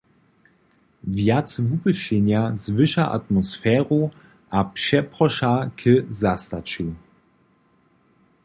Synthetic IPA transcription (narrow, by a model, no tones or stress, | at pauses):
vjatt͡svupəʃenjazvɪʃaʔa̰t̪mɔsfɛːʁo | ʔapʂɛpʁɔʃakʰəzastat͡ʃu